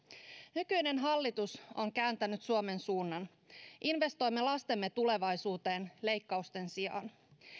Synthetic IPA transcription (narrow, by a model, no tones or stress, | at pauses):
nykyjne̞nɦɑlːit̪uso̞ŋkæːnt̪ænyt̪suome̞nsuːnːɑn | ʔinʋe̞st̪o̞jmːelɑst̪e̞mːe̞t̪ule̞ʋɑjsuːt̪e̞ːnle̞jkːɑust̪e̞nsiɑ̰n